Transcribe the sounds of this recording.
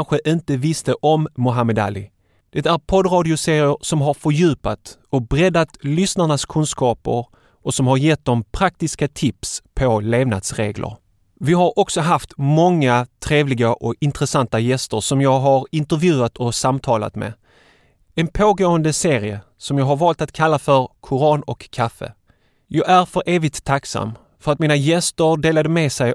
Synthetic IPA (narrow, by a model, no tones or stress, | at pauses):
nɧəʔɪnt̪əvɪst̪əʔɔmːʊɦamɛd̪a̰ːlɪ | d̪̥ɛt̪æɾpʰɔd̪ɾɑːd̪ɪʊseːɾɪəɾsɔmɦaɾfœɾjʉ̟ːpat̪ɔbɾɛd̪at̪lʏsnaɳaskʰɵnskɑːpə̰ɾ | ʔɔsɔmhaɾjɛt̪̚d̪ɔmpʰɾak̚t̪ɪskat̪ʰɪpspʰɔleːvna̰d̪sɾeːɡlə̰ɾ | vɪɦaɾʔɔksɔɦaft̪mɔŋːat̪ʰɾeːvlɪɡaʔɔɪnt̪ɾɛsant̪ajɛst̪əɾʂɔmjɑːɡɦaɾɪnt̪əɾvjʉ̟ːat̪ʰɔsamt̪ʰɑːla̰t̪mɛ̰ | ɛnpʰoːɡoːənd̪əseːɾɪə | sɔmjɑːɡɦaɾvɑːlt̪at̪kʰalːafœɾkʰʊɾɑːnɔkʰːafə̰ | jɑːɡæɾfœɾʔeːvɪt̪ʰːaksa̰mː | fœɾat̪̚miːnajɛst̪əɾɖeːlad̪əmɛsɛj